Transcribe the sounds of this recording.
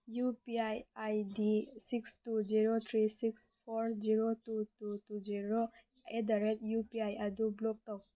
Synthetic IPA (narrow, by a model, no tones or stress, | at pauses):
jupiajajdisikstuziɾot̪ʰɹisikspʰɔɹziɾotututuziɾo | edaɾɛt̚jupiajadublɔk̚tɔk̚